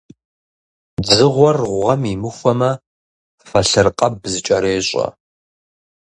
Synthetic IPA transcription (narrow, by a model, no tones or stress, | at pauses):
d͡zɨʁʷɔrʁʷʁɐmimɨxʷɐmɐ | fɐɬɨrqʼɐbzɨt͡ʃʼɐɾeːɕʼɐ̰